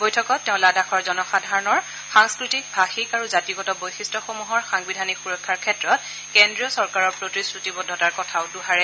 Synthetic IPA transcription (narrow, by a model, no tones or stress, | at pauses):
bojtʰɔkɔtːɛʊ̃ladaxɔɹzɔnɔxadʱaɹɔnɔɹ | xaŋskɹitik̚bʱaxikaɹuzatiɡɔtɔbojsistɔxomuɦɔɹxaŋbidʱanixuɹɔkʰːaɹkʰɛtɹɔt̚ | kɛndɹiɔsɔɹkaɹɔɹpɹotisɹutibɔdʱːɔtaɹkɔtʰaʊduɦaɹɛ